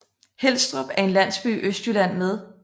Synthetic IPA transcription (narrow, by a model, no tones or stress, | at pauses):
hel̰sd̥ʁɒb̥æɐe̝nlæn̰sb̥y̰ːʔøsd̥jylæn̰með̞ˠ